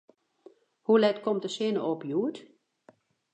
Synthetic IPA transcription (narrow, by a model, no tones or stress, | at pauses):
hulɛtkɔmtdəsɪnəopjuət